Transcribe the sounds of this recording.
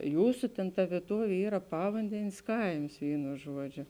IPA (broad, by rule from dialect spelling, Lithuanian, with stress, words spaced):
ˈjuːsʊ tʲeːn tɐ ʋʲiɛˈtuɔʋʲeː ˈiːrɐ ˈpɑːʋɐnʲdʲɛnʲeːs ˈkɐɪms ˈʋʲiːnʊ ˈʒuɔˌd͡ʒʲoː